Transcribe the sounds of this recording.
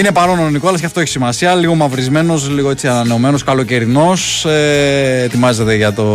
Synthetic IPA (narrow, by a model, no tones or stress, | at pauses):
ine̞pɐɾo̞noniko̞ɐlɐs̬ceɐft̪oeçi̥simɐsiɐliɣo̞mɐvɾizme̞no̞sliɣo̞e̞t͡siɐnɐne̞ome̞no̞skɐlo̞ce̞ɾino̞set̪imɐze̞t̪e̞ʝɐt̪o̞